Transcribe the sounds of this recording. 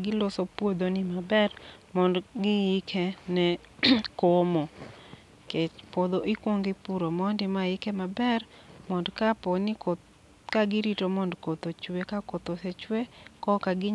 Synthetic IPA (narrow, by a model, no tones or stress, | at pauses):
ɡɪlosopwod̪onɪmabɛrmɔndɡɪikʰɛnɛ | komɔ | ket͡ʃpod̪oʔikwoŋɡɪpuɾomɔndɪmaɪkɛmabɛrmɔndkaponɪko | kaɡɪɾitomɔndkot̪ot͡ʃwekakot̪oset͡ʃwekɔkaɡɪ